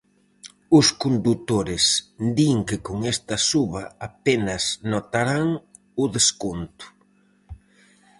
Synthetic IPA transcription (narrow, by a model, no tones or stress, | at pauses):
ʊskond̪ut̪oɾɪsd̪iŋkɪkoŋest̪ɐsuβɐapenɐsnot̪aɾaŋ | ʊðeskont̪ʊ̥